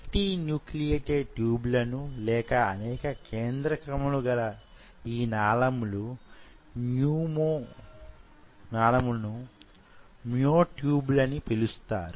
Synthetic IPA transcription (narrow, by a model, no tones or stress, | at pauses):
ʈinjuːklijeːʈeʈjuːblɐnulɛːkɐːnɛːkɐkʰeːnd̪ɾɐkɾɐmɐluɡɐlɐ | iːnaːlɐmulu | njuːmoː | naːlɐmunu | mioːʈjuːblɐnipelust̪a̰ːɾu